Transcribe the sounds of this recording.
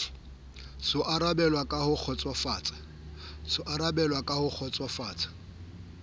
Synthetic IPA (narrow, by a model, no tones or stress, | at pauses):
sʊʔaɾabɛlwakʼahʊk͡xʰɔt͡sʼwafaːt͡sʼ | sʊʔaɾabɛlwakʼahʊk͡xʰɔt͡sʼwafaːt͡sʼḁ